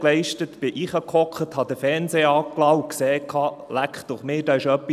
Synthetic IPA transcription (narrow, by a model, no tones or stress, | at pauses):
klɛɪʃtətbɪʔɪχhɑkχɔkʰəthɑd̥̪əfɛnsɛːɑːklɑʊkseːkʰɑːlækχtd̥ʊχmɪːd̥ɑɪʃœpːi